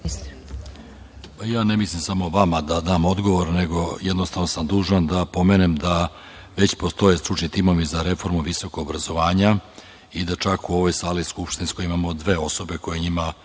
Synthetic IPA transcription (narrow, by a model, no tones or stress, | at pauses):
pajaːnemislimsamo̞ʋamad̪ad̪aːmo̞d̪ɡo̞ʋo̞ɾne̞ɡo̞jed̪nost̪aʋnosamd̪uːʒand̪apo̞menemd̪a | ʋet͡ɕpo̞st̪o̞je̞st̪ɾut͡ʃɲit̪imo̞ʋizaɾe̞fo̞ɾmuʋiso̞koɡobɾazo̞ʋaːɲa | id̪at͡ʃakuo̞ʋo̞jsaːliskupʃt̪insko̞jimamo̞d̪ʋe̞o̞so̞be̞ko̞je̞ɲima